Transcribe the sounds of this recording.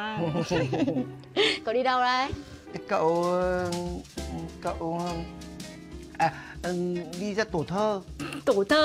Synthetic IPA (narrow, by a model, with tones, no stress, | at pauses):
kə˨˦ɗi˧ɗə˧wlaː˨˧˩j | kə̰˧˨w | kə̰˧˨w | ʔa˨˩˨ | ɗi˧zaː˧t̪o˧˩t̪ʰəː˧t̪o˧˩t̪ʰəː˧